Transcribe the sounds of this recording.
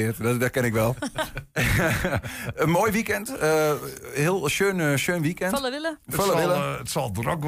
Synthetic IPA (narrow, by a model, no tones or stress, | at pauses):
ɪətdɔtkɛnɪkʋɛlˠ | ənmoːjʋikɛntəhɪəlˠʃøːnʃøːnʋikɛntləɪləfoləʋɪləətsɔlˠdrɔk